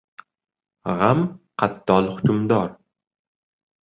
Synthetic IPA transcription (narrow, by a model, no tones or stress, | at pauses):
ʁamqʰat̪ːɒlˠχʊkʊmd̪ɒɾ